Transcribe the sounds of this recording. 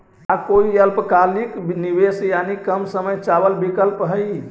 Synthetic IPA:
akoiəlpkaliknibesjanikəmsəməjt͡ʃabəlbikəlpɦəj

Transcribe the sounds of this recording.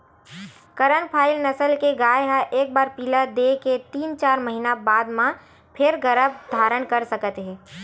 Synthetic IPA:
kɐɾəɳpʰaːɪlnɐsəlkeɡaːjɦaʔeːk̚baːɾpilad̪eket̪iːnt͡ʃaːɾməɦinabaːd̪mã | pʰɪɾɡəɾəbd̪ʱaːɾəɽkɐɾsɐkət̪ɦɛ̃ː

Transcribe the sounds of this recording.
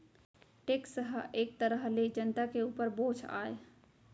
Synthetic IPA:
ʈeksəɦeːk̚t̪əɾəɦled͡ʒənt̪akeuːpəɾbõd͡ʒʰa̰j

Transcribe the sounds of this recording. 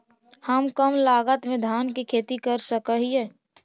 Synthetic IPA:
həmkəmlaːɡət̪mẽd̪ʱaːnkikʰeːt̪ikəɾsəkəɦiɦɛː

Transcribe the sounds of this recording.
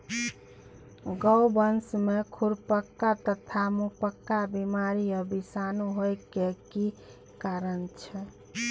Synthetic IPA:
ɡɔwbənsmekʰuɾpəkːat̪ət̪ʰamupəkːabimaɾiəbisanuɦojkeki | kaɾənt͡ʃʰɛ

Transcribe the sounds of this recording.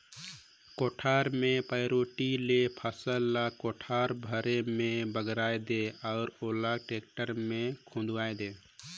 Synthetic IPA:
koːʈʰaːɾmẽpəjɾoːʈilepʰəsəlːakoʈʰaɾbʱəɾemẽbəɡɾaːed̪eaʊɾolaɡʈek̚ʈəɾmẽkʰũnd̪ajd̪eː

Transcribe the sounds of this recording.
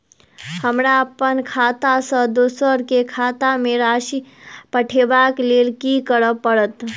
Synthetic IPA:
həmɾaəpənkʰat̪asə̃d̪osəɾkekʰat̪amẽɾaʃipəʈʰebakleːlkikəɾəpːəɽət̪

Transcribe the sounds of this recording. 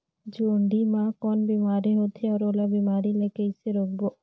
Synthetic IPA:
d͡ʒoːɳɖimãkɔːnbiːmaːɾiɦoːt̪ʰeɔːɾoːlabiːmaːɾilekeiseɾoːk̚bo

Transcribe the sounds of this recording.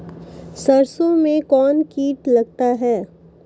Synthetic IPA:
sɐɾsõmẽkɔːnkiːʈlɐɡt̪aɦɛː

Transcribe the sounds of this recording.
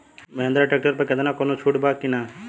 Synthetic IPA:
meɦnd̪ɾaʈeːk̚ʈəɾpekɛd̪anakonot͡ʃʰuʈbakinaː

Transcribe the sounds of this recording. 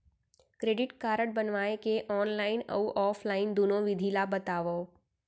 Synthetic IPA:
kɾeːɖɪʈkaːɾəʈ̚bənʋaːekeʔɔːnlaːɪnə̰uʔɔːpʰlaːɪnd̪uːnõʋɪd̪ʱilabət̪aːʋoː

